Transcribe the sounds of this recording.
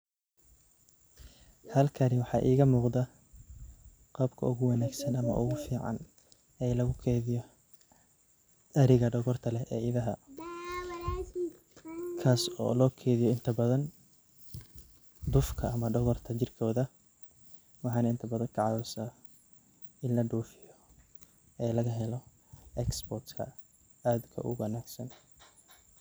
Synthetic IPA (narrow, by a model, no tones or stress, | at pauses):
hɐlkʰɐnɪwɑħɑːʔiːɣɐmuːqd̪ɐ | qɑbkʰɐ̰ʊɣʊwɑnaːɡsɐnɐmɐ̰ʔʊɣʊfiːʕɑ̰n | ɛjlɐɣʊkʰɛːðɪjɔ | ɐɾɪɣɐɖɔɣɔrt̪ʰɐlɛʔɛːɪðɐɦɐ | kʰaːsɔ̰ːlɔːkʰɛːðɪjɔɪnt̪ʰɐbɐðɐn | d̪ʊfkʰɐːmɐɖɔɣɔrt̪ʰɐt͡ʃɪrkʰɔːðɐ | wɑħɑːnɐɪnt̪ʰɐbɐðɐŋkʰɐʕɑðɔsaː | ɪnlɐɖuːfɪjɔ | ɛːlɐɣɐɦɛlɔ | ɛksbɔrt̪kʰɐ̰ | aːd̪kʰɐ̰ʔʊ̰wɐnaːɡsɐn